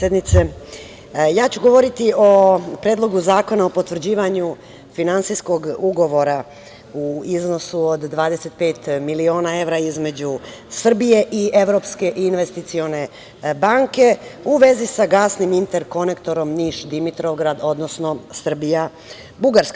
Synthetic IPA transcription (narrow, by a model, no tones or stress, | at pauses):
ed̪nit̪se | jaːt͡ɕuɡo̞ʋo̞ɾit̪io̞pɾeːd̪lˠo̞ɡuzaːko̞naopo̞t̪ʋr̩d͡ʑiːʋaɲu | finant̪sijsko̞ɡuɡo̞ʋo̞ɾa | uizno̞suod̪ːʋaːd̪ese̞t̪̚pe̞ːt̪milio̞ːnae̞ʋɾaizme̞d͡ʑusr̩bije̞ʔie̞ʋɾopske̞ʔinʋe̞st̪it̪sio̞ne̞ | baŋke̞uʋe̞zisaɡaːsnimint̪eɾko̞ne̞kt̪o̞ɾo̞mniːʃd̪imit̪ɾoɡɾad̪o̞d̪nosno̞sr̩bija | buɡaɾska